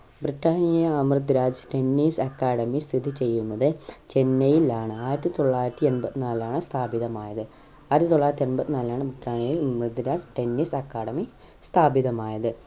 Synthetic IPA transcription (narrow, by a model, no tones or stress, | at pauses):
briʈːaːnijɐɐmrɨd̪ɾaːd͡ʑʈe̞nːiːsɐkːaːɽɐmist̪ʰiðit͡ɕe̞jːunːɐðɨt͡ɕe̞nːɐjilaːɳɨaːjiɾɐt̪ːit̪o̞ɭːaːjiɾɐt̪ːienbɐt̪ːinaːlaːɳɨst̪ʰaːbiðɐmaːjɐðɨ | aːjɾɐt̪ːit̪oɭːajɾɐt̪ːienbɐt̪ːinaːlaːɳɨbriʈːaːnjɐjilɐmrɨd̪ɾaːd͡ʑʈe̞nːisɐkːaːɽɐmi | st̪ʰaːbiðɐmaːjɐðɨ